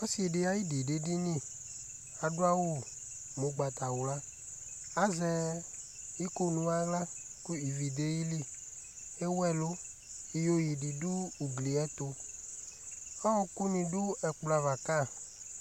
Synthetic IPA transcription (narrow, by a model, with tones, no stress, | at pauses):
ɔ˦si˨ɖe˨˦a˨ji˦di˨ɖe˦di˦nĩ˦˨ | a˨dʊ˦a˦wo˦ | mo˨ɡ͡ba˨t̪a˨wu˨la˦ | a˦zɛ˨ | i˦ko˦nũ˨a˨ɡla˦ku˦i˨vi˨d̪e˦ji˦li˦˨ | e˦wɛ˦˨lo˦ | i˨jo˦ji˨di˨du˦u˨ɡli˨ɛ˦t̪o˦ | ɔ˦ɔ˦ku˦nĩ˨du˦ɛ˨k͡pla˨va˨ka˦˨